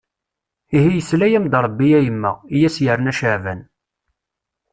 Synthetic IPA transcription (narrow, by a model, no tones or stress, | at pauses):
iɦijəslæjæmd̪ɾˤəbːijæjəmːə̰ʁijæsjəɾənæʃəʕvæ̰n